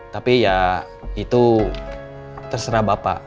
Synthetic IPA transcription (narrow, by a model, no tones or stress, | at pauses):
t̪apija | it̪u | t̪ərsəɾabapa̰